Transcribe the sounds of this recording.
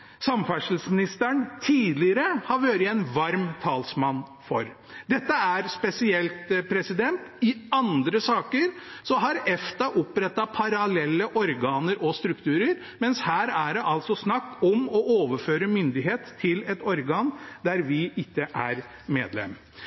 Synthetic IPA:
sɑmfæʂl̩smɪnɪst̪əɳt̪ʰiːd̪lɪɾəhɑɾʋøːɾɪɛnʋɑɾmt̪ʰɑːlsmɑnːfɔɾ | d̪ɛt̪ːəæɾspɛsɪɛlt̪pʰɾɛsɪd̪ɛnt̪ɪɑnd̪ɾəsɑːkəɾsɔɦɑɾɛft̪ɑʔʊpɾɛt̪ːɑpʰɑɾɑlɛlːəʔɔɾɡɑːnəɾʔɔst̪ɾʉkt̪ʰʉːɾəɾ | mɛnshæːɾæɖɛʔɑlt̪sɔsnɑkːɔmɔʔoːʋəføːɾəmʏnd̪ɪɦeːt̪ʰːɪlɛt̪ɔɾɡɑːnd̪æɾʋɪʔɪkːəʔæɾmeːd̪lɛ̰m

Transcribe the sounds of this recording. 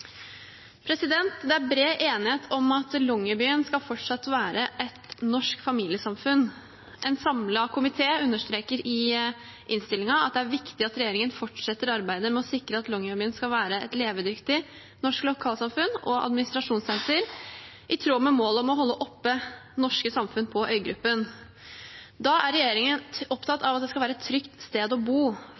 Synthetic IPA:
pʰɾɛsɪd̪ɛnt̪d̪ɛæɾbɾeːʔeːnɪheːt̪ʰɔmɑt̪lɔŋːəbyːənskɑfɔʈʂɑt̪ːʋæːɾəʔɛt̪nɔʂkfɑmiːlɪəsɑmfʉn | ʔɛnsɑmlɑkʰʊmɪt̪ʰeːʉnːəʂt̪ɾeːkəɾɪ | ʔɪnst̪ɪlɪŋɑɑt̪̚d̪ɛæɾʋɪkt̪ɪɑt̪ɾɛjeːɾɪŋənfɔʈʂɛt̪ːəɾɑɾbæɪd̪əmɛɔsɪkɾəɑt̪lɔŋːəbyːənskɑlʋæːɾəɛ̰t̪leːʋəd̪ʏkt̪ɪ | nɔʂklʊkʰɑːlsɑmfʉnɔʔɑ̰d̪mɪnɪst̪ɾɑʂuːnsɛnsəɾ | ʔɪt̪ʰɾuːmɛmoːlɔmɔɦɔlːəʔɔpːənɔʂkəsɑmfʉnpʰɔʔœʏɡɾʉpːən | d̪ɑʔæɾɛjeːɾɪŋənɔpt̪ʰɑt̪ːɑʋɑt̪̚d̪ɛskɑlʋæːɾəɛt̪ʰːɾʏkt̪st̪eːd̪ɔbuː

